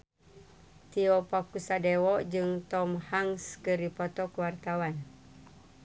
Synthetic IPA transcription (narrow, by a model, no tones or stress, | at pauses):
t̪iɔpakusadewɔʔd͡ʒɨŋt̪ɔmhaŋskɨripɔt̪ɔkuwart̪awan